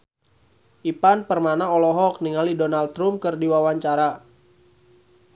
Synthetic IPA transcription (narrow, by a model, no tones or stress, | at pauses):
ʔipanpərmanaɔlɔɦɔk̚niŋalidɔnalt̪ɾumkɨrdiwawaɲt͡ʃaɾa